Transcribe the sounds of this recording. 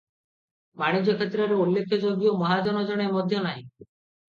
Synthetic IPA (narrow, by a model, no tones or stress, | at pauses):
maɽ̃id͡ʒɔkʰet̪ɾɔɾeulːekʰːɔd͡ʒoɡjomɔɦad͡ʒɔnɔd͡ʒɔɽ̃emɔd̪ʱjɔnaɦĩ